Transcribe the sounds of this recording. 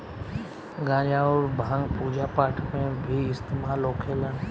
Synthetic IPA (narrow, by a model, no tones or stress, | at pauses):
ɡãːd͡ʒaɔːɾbʱãːŋɡpuːd͡ʒapaːʈʰmẽbʱiɪst̪eːmaːlɦoːkʰeːlãː